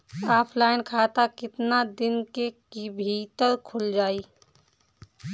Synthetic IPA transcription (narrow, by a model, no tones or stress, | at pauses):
aːpʰlaːɪnkʰaːt̪akɪt̪nad̪ɪnkekibʱiːt̪əɾkʰʊld͡ʒaːiː